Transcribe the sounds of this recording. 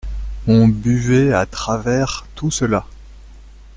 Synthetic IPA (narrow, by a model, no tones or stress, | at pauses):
ɔ̃byvɛat̪χavɛʁt̪usəla